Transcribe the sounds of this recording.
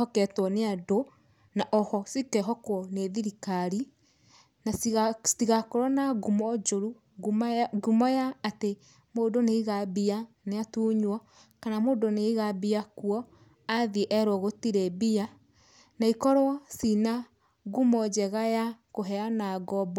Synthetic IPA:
ɔkɛtwɔneado | naʔɔhɔsikɛɦɔkwɔneðiɾikaɾi | nasiɣakoɾɔnaɡumɔd͡ʒoɾu | ɡuɡumɔjaːte | moːdoneiɣabianeatuːɲwɔ | kanamoːdoneiɣabiakuɔ | aðiʔɛɾwɔɣotiɾɛbia | naikɔɾoɔsina | ɣumɔd͡ʑɛɣajakoɦɛanaɡɔbɔ

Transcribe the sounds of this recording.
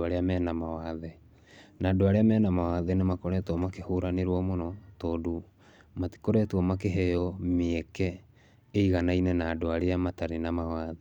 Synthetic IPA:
aɾeamɛːnamawaðɛ | naːdoaɾeamɛːnamawaðɛnemakoɾɛtɔmakehuɾaneɾwɔmonɔtodu | mati̥koɾɛtwɔmakeɦejɔmeɛkɛː | iɣanainɛnadoaɾeamataɾenamawaðe

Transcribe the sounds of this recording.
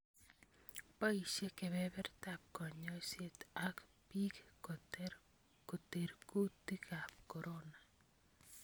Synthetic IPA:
paiʃekebɛbɛɾt̪ap̚kɔɲɔset̪akpik | koteɾkut̪ːikʰap̚kɔɾona

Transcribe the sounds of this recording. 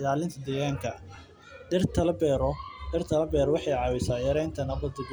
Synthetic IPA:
laːlɪnt̪ʰɐd̪ɛːɣaːŋkʰɐ | dɪrt̪ʰɐlɐbɛɾdɪrt̪ʰɐlɐbɛːɾɔwɑħɑjʕɑːwɛsaːjɐɾɛjnt̪ʰɐnɐbɐd̪ɪɡ

